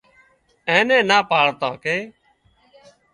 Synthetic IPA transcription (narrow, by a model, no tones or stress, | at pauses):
ẽːnẽːnaːpaːɭt̪ã̰ːkeː